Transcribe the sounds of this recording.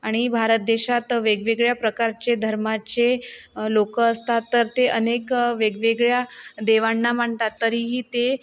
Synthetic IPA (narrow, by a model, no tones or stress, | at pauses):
aɽ̃ibʱaɾət̪̚d̪eɕat̪ʋeɡʋeɡɭjapɾəkaɾt͡ɕed̪ʱəɾmat͡ɕelokəəst̪at̪ːəɾt̪eʔənekʋeɡʋeɡɭjad̪eʋaɳːam̤aɳt̪at̪ːəɾiːɦiːt̪e